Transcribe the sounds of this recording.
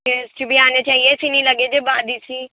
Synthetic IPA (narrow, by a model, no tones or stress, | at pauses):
est͡ʃibiaːnet͡ʃaːɦiesiːnĩləɡed͡ʒebaːd̪isiː